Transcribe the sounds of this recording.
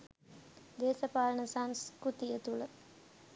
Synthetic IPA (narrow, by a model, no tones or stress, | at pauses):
d̪eːsəpaːlənəsaŋskɾut̪ijət̪ulə